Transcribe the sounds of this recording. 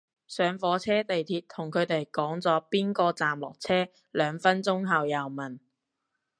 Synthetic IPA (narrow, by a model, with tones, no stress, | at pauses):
sœː˨˧ŋfɔː˨˥t͡sʰɛː˥t̪e˨jt̪ʰiː˧t̚t̪ʰʊ˨˩ŋkʰɵ˨˧ɥt̪e˨jkɔː˨˥ŋt͡sɔː˨˥piː˥nkɔː˧t͡saː˨mlɔ̰ː˨˩k̚t͡sʰɛː˥ | lœː˨˧ŋfɐ˥nt͡sʊ˥ŋɦɐ˨wjɐ˨wmɐ˨˩n